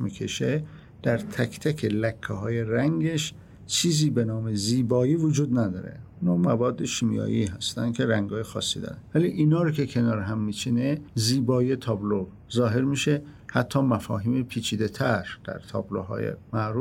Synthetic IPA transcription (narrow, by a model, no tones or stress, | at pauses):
mikʰe̞ʃe | d̪̥æɾt̪ʰækt̪ʰækʰelækʰːeɦɒːje̞ɾæŋɡeʃ | t͡ʃʰiːziːbe̞nɒːmeziːbɒːiːvod͡ʒuːd̪næd̪ɒ̰ːɾe̞̰inɒːmævɒːd̪ːeʃiːmijɒ̰ːʔiɦæst̪ænd̪̥̚kʰe̞ɾæŋɡɒːjexɒ̰ːsːiːd̪ɒ̰ːɾænvæliʔinɒːɾokʰekʰe̞nɒːɾɦæmːiːt͡ʃʰineziːbɒːjet̪ʰɒːblo | zɒːɦe̞ɾmiʃe̞hæt̪ʰːɒːmæfɒːɦiːmepʰiːt͡ʃʰiːd̪e̞t̪ʰæɾd̪̥æ̰ɾt̪ʰɒ̰ːbloɦɒ̰ːjḛmæʔɾuːf